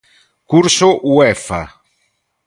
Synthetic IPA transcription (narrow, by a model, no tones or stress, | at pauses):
kuɾsoʔuɛfa̰